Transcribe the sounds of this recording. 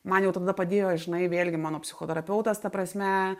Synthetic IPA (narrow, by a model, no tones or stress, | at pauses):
mɐnjɛʊt̪ɐd̪ɐpɐd̪ʲeːjoːʒʲɪnɐɪʋʲeːlʲɡʲɪmɑːnoːpʲsʲɪxoːt̪ɛɾɐpʲɛʊt̪ɐst̪ɐpɾɐsʲmʲɛ